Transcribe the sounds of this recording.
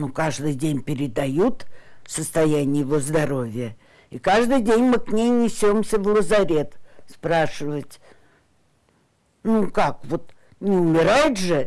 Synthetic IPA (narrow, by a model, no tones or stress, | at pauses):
nukaʐd̪ɨjdʲenʲpʲɪɾʲɪd̪ɐjut̪səst̪ɐjænʲɪjɪvozd̪ɐɾo̞vʲɪjə | ikaʐd̪ɨjdʲenʲmɨknʲejnʲɪsʲo̞msʲəvlˠəzɐɾʲe̞t̪spɾaʂɨvətʲ | nukakvo̞t̪ | nʲɪʊmʲɪɾajɪt̪ʐɨ